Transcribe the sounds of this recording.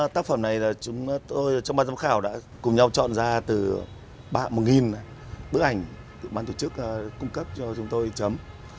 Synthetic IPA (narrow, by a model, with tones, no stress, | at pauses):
t̪aː˦˥k̚fə˧˩mna˨˩jlaː˨˩t͡ɕʊ˨˦ŋ͡mo˧jt͡ɕɔ˧wŋ͡mɓaː˧za˨˧˦xaː˧˩wɗa̰ː˧˥ | kʊ˨˩ŋ͡mɲa˧wt͡ɕɔ̰˧˨nzaː˧t̪ɨ˨˩ | ɓaː˧mo˨˩ŋi˨˩n˨˩ | ɓɨ˦˥k̚ʔa˧˩jŋ̟ | t̪ɨ˧˩ɓaː˧nt̪ʰu˧˩t͡ɕɨ˦˥k̚ːkʊ˧ŋ͡mkə˦˥p̚t͡ɕɔ˧t͡ɕʊ˨˦ŋ͡mt̪o˧jt͡ɕə˨˦m